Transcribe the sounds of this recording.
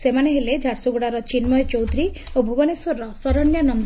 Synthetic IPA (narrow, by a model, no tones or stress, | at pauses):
semaneɦeled͡ʒʱaɽsuɡuɽaɾɔt͡ʃinmɔjt͡ʃowd̪ɾi | obʱubɔneswɔɾːɔsɔɾɔnjanɔn